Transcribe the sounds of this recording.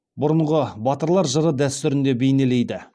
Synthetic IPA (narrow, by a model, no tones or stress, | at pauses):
bʊɾəɴʁəbɑt̪əɾlˠɑɾʒəɾəd̪æst̪ʏɾɪnd̪e̞be̞jne̞le̞jd̪ɪ